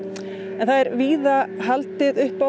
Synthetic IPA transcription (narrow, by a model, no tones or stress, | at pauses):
ɛnθaðɛɾviːðaɦalt̪ɪðʏhpa